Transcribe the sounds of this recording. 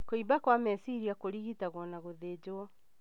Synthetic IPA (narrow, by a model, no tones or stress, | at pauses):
koibakwamɛsiɾiakoɾiɣitaɣwɔnaɣoðed͡ʑoɔ